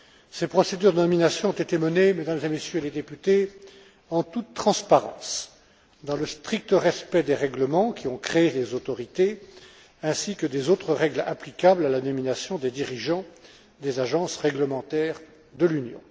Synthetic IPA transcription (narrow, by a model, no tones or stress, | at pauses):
sepχɔsed̪yʁd̪ənɔminasjɔ̃ɔ̃t̪et̪emənemed̪amzemesjøeled̪epyt̪e | ɑ̃t̪ut̪ːχɑ̃spaʁɑ̰̃s | d̪ɑ̃ləst̪χik̚t̪əʁɛspɛd̪eʁɛɡləmɑ̃kʲiɔ̃kχeelezot̪ɔʁit̪e | ɛ̃sikəd̪ezot̪χəʁɛɡlaplikablalanɔminasjɔ̃d̪ed̪iʁiʒɑ̃ | d̪ezaʒɑ̃sʁɛɡləmɑ̃t̪ɛʁ | d̪əlynjɔ̰̃